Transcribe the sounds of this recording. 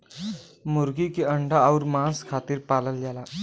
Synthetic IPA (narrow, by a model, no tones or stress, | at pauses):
muɾɡiːkiəɳɖaːuɾmãskʰat̪iːɾpaləld͡ʑala